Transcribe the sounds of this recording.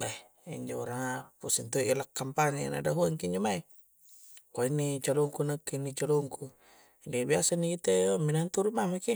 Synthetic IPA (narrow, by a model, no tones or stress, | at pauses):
ba | ḭɲd͡ʒoɾaŋapusint̪uiʔlakːampaɲana̰daɦuaŋkiɲd͡ʒomai | kainːit͡ʃaluŋkunəkːinit͡ʃaluŋku | dibiasanikit̪eominant̪uɾumamaki